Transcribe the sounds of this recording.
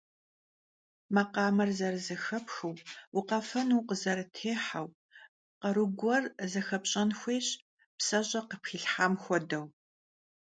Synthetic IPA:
mɐqɑːmɐrzɐrɨzɐxɐpxɨwwʊqɐfɐnuːqəzɐɾɨtʰeːħaw | qɐɾɨɡʷɔrzɐxɐpɕʼɐnxʷeːɕ | psɐɕʼɐqəpxiːɬħaːmxʷɔdɐw

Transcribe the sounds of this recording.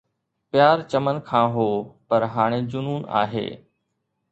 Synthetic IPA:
pɪjaːɾt͡ɕəmənkʰãːɦoːpɐɾɦaːɽ̃ed͡ʑʊnuːna̰ːɦḛː

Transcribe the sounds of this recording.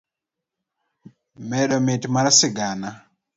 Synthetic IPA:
mɛɗɔmetmaɾasɪɡana

